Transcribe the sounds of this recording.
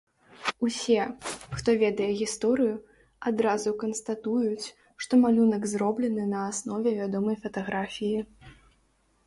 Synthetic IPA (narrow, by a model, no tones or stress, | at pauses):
usʲɛxt̪ɔvʲɛd̪ɐjɛɣʲist̪ɔɾɨju | ad̪ɾazukɐnst̪at̪ujut͡sʲ | ʂt̪ɔmalʲunɐɡzrɔblʲɛnɨnɐːsnɔvʲɛvʲad̪ɔmɐjfɐt̪aɣɾafʲiji